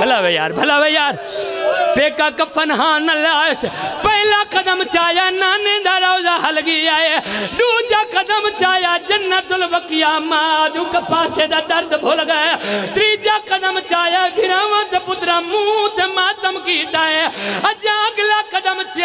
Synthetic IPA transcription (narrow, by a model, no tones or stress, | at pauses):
bʱɐlaːʋeja̰ːɾbʱɐlaːʋeːjaːɾ | peːkakɐpʰɐnɦãːnɐlaːjspɐɦɪlaːkɐd̪əmt͡ʃaːjanaːnẽd̪aɾaːʊd͡ʒaːɦɐlɡijaːjeɖuːd͡ʒaːkɐd̪ɐmt͡ʃaːjad͡ʒɐnːat̪ʊlʋɐkɪjaːmãd̪uːkɐpaːsed̪ad̪ɐɾd̪bʱoːlɡaːjat̪ɾiːd͡ʒakɐd̪əmt͡ʃaːjaɡʱɪɾãːʋãːt̪epʊt̪ɾãmũt̪emaːt̪əmkiːt̪aːɦeɐd͡ʒãɐɡlaːkɐd̪əmt͡ʃ